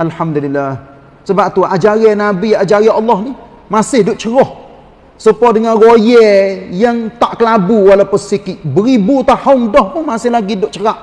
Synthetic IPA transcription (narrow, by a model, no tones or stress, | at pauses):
ʔalħamd̪ulilːah | səbap̚t̪uad͡ʒaɾɛnabiad͡ʒaɾɛɑlːɔhni | masɪhdʊʔt͡ʃəɾɔh | səpɔdəŋanrojɛjaŋt̪aʔkəlabuwalapəsikiʔbəɾibut̪ahoŋdɔhpʊnmasɪhlaɡidʊʔt͡ʃəɾaʔ